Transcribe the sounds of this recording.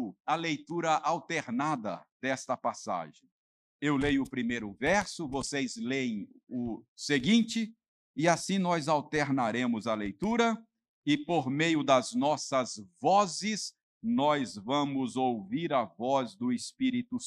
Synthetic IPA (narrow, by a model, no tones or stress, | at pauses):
ɐlejt̪uɾɐʔawt̪eɾnad̪ɐ̰d̪ɛst̪ɐpasa̰ʒẽj̃ | ewlejʊpɾimejɾʊvɛɾsʊvosejzlej̃ʊseɡĩt͡ʃɪ | ɪasĩnɔzawt̪eɾnaɾẽmʊzɐlejt̪uɾɐ | ɪpoɾmejʊd̪ɐznɔsɐzvɔzɪz | nɔjzvɐ̃mʊzowviɾɐvɔzd̪ʊɪspiɾit̪ʊ